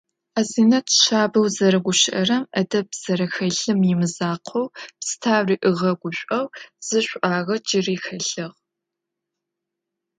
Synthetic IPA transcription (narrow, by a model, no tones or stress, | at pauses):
aːziːnɐtʰʃaːbɐwzɐɾɐɡʷʊʃɪʔɐrɐmɐdɐbz̥ɐɾɐxɐɮɨmjɪmɨzaːqʷʰowpstʰaːwriːʔɨʁɐɡʷʊɕʷʼɐwz̥ɨɕʷʼʔaːʁɐd͡ʒɪriːxɐɬɨʁ